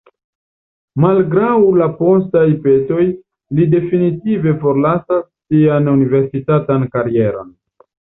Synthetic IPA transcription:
malɡɾawlapo̞stajpe̞to̞j | lide̞finitive̞fo̞ɾlasasːianunive̞ɾsitatankaɾie̞ɾo̞̰n

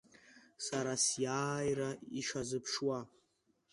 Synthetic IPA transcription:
saɾasjaːjraiʂazɨpʰʂwa

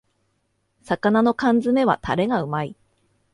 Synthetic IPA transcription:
sakanano̞kãnd͡zɨme̞βa̰t̪aɾe̞ɡaɯ̟mai

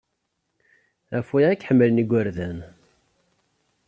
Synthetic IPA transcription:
æfujækːħəmːəlniɡʷːæɾðæn

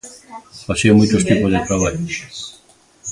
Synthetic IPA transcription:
pasiomujt͡ʃ̪ost̪ipozðet̪ɾaβ̞aʎo

